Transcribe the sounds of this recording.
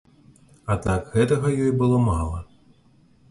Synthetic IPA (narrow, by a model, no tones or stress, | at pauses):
ɐt̪akɣɛt̪ɐɣɐjɔjbɨlˠɔmalˠɐ̰